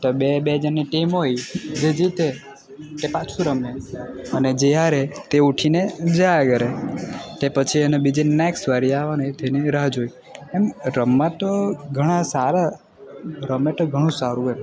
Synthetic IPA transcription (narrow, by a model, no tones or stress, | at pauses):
t̪obebed͡ʒənːiʈimojd͡ʒed͡ʒit̪e | t̪epat͡ʃʰuɾəmeəned͡ʒejaɾet̪euʈʰined͡ʒəaɡəɾet̪epət͡ʃʰienobid͡ʒenɛksʋaɾiaʋanəjt̪eniɾad͡ʒoi | ɛmɾəmːãt̪oɡʱəɽ̃asaɾa | ɾəmet̪oɡʱəɽ̃ũsaɾuem